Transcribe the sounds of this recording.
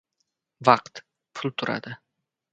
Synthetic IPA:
vɑqt̪ | pʰʊlˠt̪ʰʊɾa̰d̪̥ɪ

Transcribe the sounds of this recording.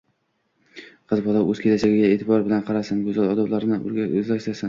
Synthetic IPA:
qʰɨzbɒlˠawɵz̥kʰʲelasaɡʲɪɡʲaeːt̪ʰɪbɒɾbɪlanqʰɑɾasɪnɡɵzalˠɒd̪ɒwlˠaɾɪnɪʔʊ̰ɾɡʲaɵzlakʲt̪asan

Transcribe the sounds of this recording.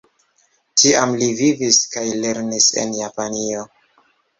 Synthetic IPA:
tʰiamliviviskajle̞ɾnise̞̰njapanio̞

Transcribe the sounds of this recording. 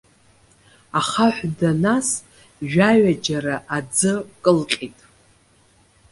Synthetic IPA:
aχaħʷdanas | ʒᶣaɥad͡ʒaɾaʔad͡zɨkʼɨlqʲʼitʼ

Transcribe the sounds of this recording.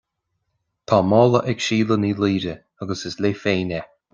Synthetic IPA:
t̪ʰɑːmɔːləʔɛkʃiːləniːliːɾə | aɡəsɪsleːfeːnɛ

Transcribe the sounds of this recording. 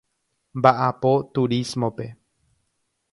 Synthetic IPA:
mbaʔapot̪uɾismõpe̞

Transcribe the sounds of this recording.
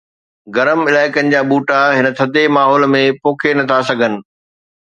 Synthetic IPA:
ɡɐɾəmɪlaːɪkənɪ̆d͡ʑaːɓuːʈaɦɪnə̆t̪ʰɐd̪ʱemaːɦɔːlmẽpoːkʰenɐt̪ʰasɐɡʱənɪ̆

